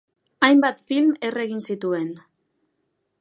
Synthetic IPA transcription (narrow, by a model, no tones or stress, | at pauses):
ajmbat̪filme̞re̞ɣinsit̪ue̞n